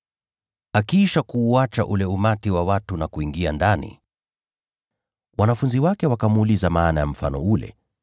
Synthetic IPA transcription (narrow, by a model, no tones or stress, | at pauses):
akiʃakuːat͡ʃa̰ʔulɛumatiwawatunakuiŋɡiandanḭ | wanafunziwakɛwakamuːlizamaːnajam̩fanɔulɛ̰